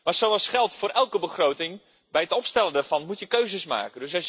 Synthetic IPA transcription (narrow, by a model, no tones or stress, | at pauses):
maːrsowɑlˠsχɛlˠtfʊːɾʔɛlˠkəbəχrowtɪŋ | bɛjətɔpstɛləndaːv̥ɑnmutjəkøɥzəsma̰ːkəndøsɑ